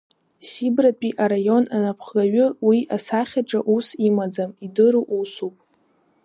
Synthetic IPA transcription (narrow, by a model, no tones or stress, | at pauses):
sibrapʼiʔaɾajo̞nanapʰχlaɥʊwiasaχʲaʈ͡ʂʼaʔusimad͡zamidɨɾuʔusupʼ